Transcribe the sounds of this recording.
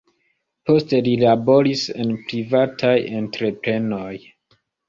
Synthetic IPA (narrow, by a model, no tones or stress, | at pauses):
po̞ste̞lilabo̞ɾise̞̰npɾivatʰajentɾe̞pɾe̞no̞j